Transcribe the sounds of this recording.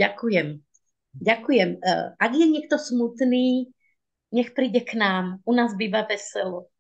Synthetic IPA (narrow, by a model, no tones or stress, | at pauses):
akujɛm | ɟakujɛmʔaɡjɛɲɪɛk̚t̪ɔsmut̪niː | ɲɛxpɾiːɟɛknaːmunaːzbiːʋaʋɛsɛlɔ